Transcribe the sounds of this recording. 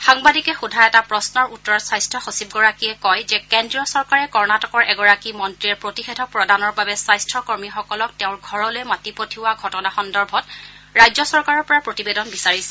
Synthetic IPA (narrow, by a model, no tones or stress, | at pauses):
xaŋbadikɛxudʱaɛtapɹɔsnɔɹutːɔɹɔsajstʰɹɔxosib̚ɡɔɹakiɛkɔjzɛkɛndɹijɔsɔɹkaɹɛkɔɹnatɔkɔɹʔɛɡɔɹakimɔntɹiɛɹpɹotixedʱɔk̚pɹɔdanɔɹbabɛsajstʰɹɔkɔɹmixɔkɔlɔk̚tɛʊ̃ɹɡʱɔɹɔlojmatipotʰiwaɡʱɔtɔnaxɔndɔɹbʱɔt | ɹajzɔsɔɹkaɹɔɹpɔɹapɹotibedɔnbisaɹisɛ̥